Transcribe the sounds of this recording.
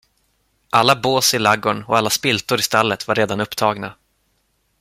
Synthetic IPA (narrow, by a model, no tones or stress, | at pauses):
ʔalːaboːsɪlaɡʊɳɔ̰alːaspɪlt̪ʊɾɪst̪alːət̪vaɾːeːd̪anɵpːt̪ʰɑːɡna